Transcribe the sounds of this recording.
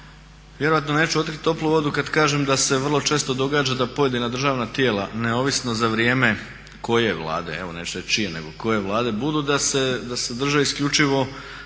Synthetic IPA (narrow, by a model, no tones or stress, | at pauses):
ʋje̞ɾo̞ʋat̪no̞ne̞ːt͡ʃuo̞t̪kɾit̪t̪ːo̞plˠuʋo̞d̪ukad̪kaːʒemd̪ase̞ʋər̩lˠot͡ʃe̞ːst̪o̞d̪o̞ɡaːd͡ʒad̪apo̞je̞d̪inad̪r̩ʒaːʋnat̪jeːlˠaneo̞ʋisnozaʋɾjeːme̞ | ko̞je̞ʋlˠa̰ːd̪eeʋo̞net͡ʃt̪et͡ʃijeneɡo̞ko̞je̞ʋlˠaːd̪e̞bud̪ud̪ase̞d̪ased̪r̩ʒeiskʎʲut͡ʃiʋo̞